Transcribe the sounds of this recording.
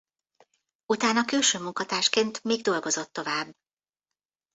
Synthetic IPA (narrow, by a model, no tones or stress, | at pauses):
ut̪aːnɒkylʃøːmuŋkɒt̪aːʃkeːnt̪miːɡd̪o̞lɡo̞zo̞t̪ːo̞vaːbː